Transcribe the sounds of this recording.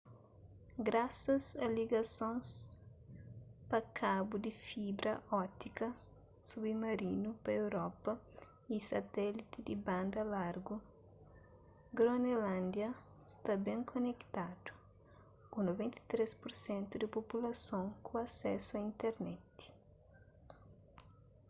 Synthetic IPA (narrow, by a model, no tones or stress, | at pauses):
ɡɾasɐsɐliɡɐsõns | pɐkʰabud̪ifibɾʔɐʔɔt̪ikɐ | subimɐɾinupɐewɾɔpɐ | isɐt̪ɛlit̪id̪ibãnd̪ɐlaɾɡu | ɡɾonelãnd̪jɐ | st̪abɛ̃ŋkʰonekt̪ad̪̥u̥ | kunovẽnt̪ɐ̥t̪ɾespuɾsɛ̃nt̪ud̪ipopulɐsõŋkuasɛsuɐĩnt̪eɾnɛt̪